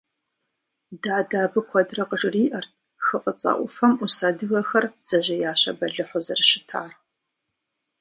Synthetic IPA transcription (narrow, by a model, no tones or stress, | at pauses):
daːdaːbɨkʷʰɔdrɐqəʈ͡ʂʼɨriːʔɐrtʰ | xɨfʼɐt͡sʼɐ̰ʔʷʊfɐmusaːdɨɣɐxɐrz̥ɐʑɐjaːɕɐ̰bɐɮɨħʷʊzɐrɨʃɪtʰaːr